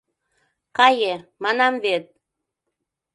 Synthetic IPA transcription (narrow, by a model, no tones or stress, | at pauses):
kɑjemɑnɑmβet̪̚